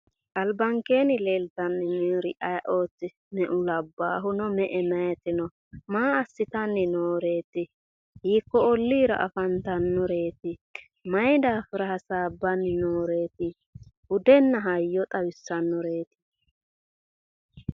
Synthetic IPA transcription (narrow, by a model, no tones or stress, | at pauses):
ʔɐlbɐŋke̞ːnɪle̞ːlt̪ɐnːɪniːɾɪʔɐjʔo̞ːt͡sːɪ | mɛʔʊlɐbːaːɦʊnɔmɛʔɛmɐjɛt̪ɪnɔ | maːɐsːɪt̪ɐnːɪnoːɾe̞ːt̪ɪ | hiːkːɔɔlːiːɾɐ̰ʔɐ̰fɐnt̪ɐnːɔɾe̞ːt̪ɪ | mɐjd̪aːfɪɾɐhɐsaːbːɐnːɪnoːɾe̞ːt̪ɪ | hʊd̪ɛnːɐɦɐjːɔt̪ʼɐwɪsːɐnːɔɾe̞ːt̪ɪ̥